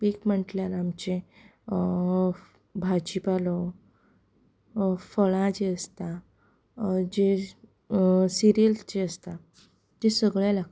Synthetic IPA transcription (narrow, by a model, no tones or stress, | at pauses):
piːkm̤əɳʈljaɾamt͡ɕe | bʱad͡ʑipalɔ | fəɭãd͡ʑeəst̪a | d͡ʑe | siɾijəlsd͡ʑeəst̪a | d͡ʑesəɡɭjalaɡ̚